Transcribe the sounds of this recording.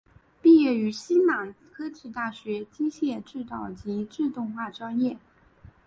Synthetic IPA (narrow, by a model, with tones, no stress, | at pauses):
pi˥˧jɛ˥˩y˧˥ɕi˥nma˨˩ŋ | kʰɤ˥t͡ɕʰi˥˩t̪a˥˩ɕɥɛ˧˥t͡ɕi˥ɕjɛ˥˧ʈ͡ʂɻ̩˥˩t̪ɑ˨˩ʊt͡ɕi˧˥ʈ͡ʂɻ̩˥˧t̪ʊ˥˧ŋxwa˥˩ʈ͡ʂwa˥njɛ˥˩